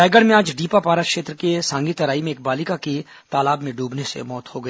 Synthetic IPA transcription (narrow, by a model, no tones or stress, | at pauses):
aːɪɡəɽmẽaːd͡ʒɖiːpapaːɾakʃeːt̪ɾəkesãːŋɡit̪ɐɾaːimẽeːk̚baːlikaki | t̪aːlaːbmẽɖuːbnesḛmɔːt̪hoɡɐiː